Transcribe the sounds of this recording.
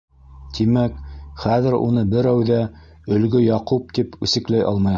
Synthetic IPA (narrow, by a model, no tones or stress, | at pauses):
t̪ʰimækχæðɘɾṵnɤbɘɾæwðæ | ɵ̆lɡɵjɑqup̚t̪ipʉ̰sɘ̆klæjʔɑ̰lˠmɑj